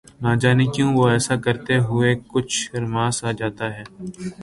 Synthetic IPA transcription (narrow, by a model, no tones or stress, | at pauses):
naːd͡ʒaːnɪkjõʋoɛːsakɐɾt̪eɦʊekʊt͡ʃʰɾmaːsaːd͡ʒaːt̪aɦɛː